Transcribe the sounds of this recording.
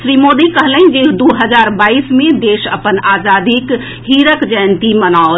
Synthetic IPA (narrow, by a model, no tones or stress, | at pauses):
ʃɾiːmoːd̪ikəɦləĩd͡ʒed̪oːɦəd͡ʒaːɾbaːiːsmẽd̪eːʃə̰pənaːzaːd̪ik | ɦiːɾəkd͡ʒəjnt̪imənaːo